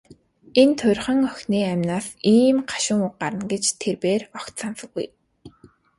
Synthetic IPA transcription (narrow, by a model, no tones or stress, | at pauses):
ent̪ʰʊrʲχə̆ŋœxʲniːæmnaːsiːmɢʰḁʃɪ̆ŋʊq̚ɢaɾə̆nɡet͡ɕt̪ʰerpeːrɔkt̪sansə̆ɡṵj